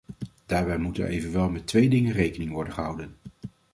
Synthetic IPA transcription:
d̥aːɹbɛjmutə̰nʔḛjvənʋɛlˠmɛtʋejdɪŋənrejkənɪŋʋɔɹdənχəɦɑwdən

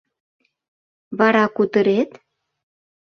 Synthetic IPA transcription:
βɑɾɑkut̪əɾet̪

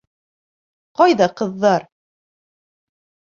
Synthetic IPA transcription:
qɒjðɑqɤ̆ðːɑɾ

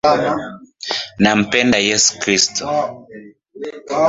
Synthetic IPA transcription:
nam̩pɛndajɛsu̥kɾistɔ

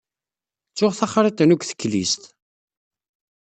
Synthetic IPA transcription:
t͡sːʊʁθaχɾˤit̪nuɡʷθə̥kːlḭst̪

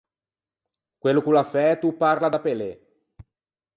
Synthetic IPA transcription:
kwelːokulafɛt̪upːarlad̪apele

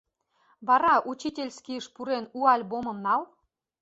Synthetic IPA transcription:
βɑɾɑʔut͡ɕitʲelʲskʲijəʃpuɾenuɑlʲbomɤ̆mnɑl

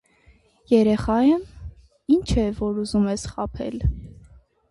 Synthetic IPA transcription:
jɛɾɛχɑjən | int͡ʃʰɛvɔɾuzumɛsχɑpʰɛ̰l

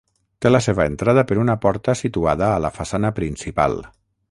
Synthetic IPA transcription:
t̪eləseβəent̪ɾað̞əpəɾunəpɔɾt̪əsit̪uaðəːləfasanəpɾinsipa̰lˠ

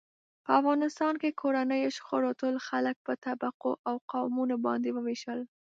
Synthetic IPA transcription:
pəafɣɑnɪst̪ɑnkekʰoɾanəjoʃxoɾot̪əlxalək̚pət̪abaqoʔawqawmunobɑ̰nd̪ewəweʃəl

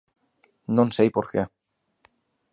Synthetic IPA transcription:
nõnsejpoɾke

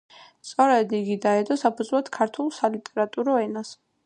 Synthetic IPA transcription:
st̪sʼɔɾɛd̪iɡid̪aɛd̪ɔsapʰud̪zvlˠɔd̪kʰaɾt̪ʰulˠsalit̪ʼɛɾat̪ʼuɾɔɛnas

